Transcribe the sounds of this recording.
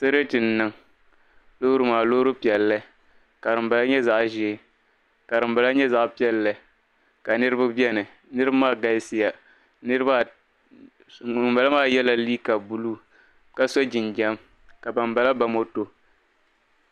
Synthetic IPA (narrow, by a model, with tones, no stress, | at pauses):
sa˦ɾa˦tɨ˨nːɨ˦ŋ | lo˦ɾɨ˦maː˨lo˦ɾɨ˦pi˨ɛ˨lːɨ˦ | ka˨ɾɨ˨mba˨la˦ɲɛ˦za˦ʔʒe˨˦ | ka˨ɾɨ˨mba˨la˦ɲɛ˦za˦ʔpi˦ɛ˦lːɨ˨ | ka˨nɨ˦ɾɨ˦bɨ˦bjɛ˦nɨ˨ | nɨ˦ɾɨ˦bmaː˦ɡa˦si˦ja˨ | nɨ˦ɾɨ˦ba˦˨ | mba˨la˦maː˦jɛ˦la˦liː˦ka˨bu˨˦lu˦ | ka˨so˦d͡ʒɪ˨nd͡ʒɛ˦m | ka˨ba˨mba˨la˦ba˨mo˦to˦